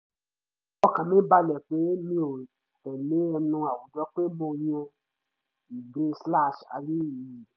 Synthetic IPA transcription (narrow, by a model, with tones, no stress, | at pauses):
ɔ˧kã˨mĩ˨˦ba˧lɛ˨k͡pe˨˦mĩ˧˦o˨ | ɛ˨le˨˦ɛ˧nũ˧˦a˨wo˨dɔ˦k͡pe˦mo˧j̃ɛ̃˧ | i˨ɡ͡bẽ˨˦sla˦˨ʃa̰˧ɾi˦˨i˨